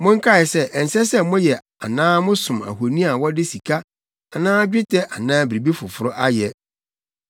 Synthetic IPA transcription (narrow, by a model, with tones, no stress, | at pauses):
mʊ̃˦ŋ̩˦kʰa˦˨ɛ˨sɛ˦ʔɛ˨n̩˨sɛ˦sɛ˦mʊ̃˦jɛ˨ | a̰˨nãː˦mʊ̃˦sʊ̃˨ma̰˨ɦo˨nĩ˦a˨wɔ˦dɪ˦si˨kʰa˦ | a˨nãː˦d͡ʑᶣɪ˦tʰɛ˦ʔa˨nãː˦bi˨ɾi˨bi˦fʊ˨fʊ˦ɾʊ˦ʔa˦jɛ˨